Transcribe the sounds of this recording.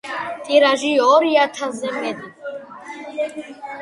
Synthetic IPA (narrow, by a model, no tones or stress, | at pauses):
t̪ʼiɾaʒiɔɾijat̪ʰazɛmɛd̪i